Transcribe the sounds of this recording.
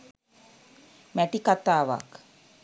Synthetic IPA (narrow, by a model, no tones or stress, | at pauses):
mæʈ̪ikat̪aːʋa̰k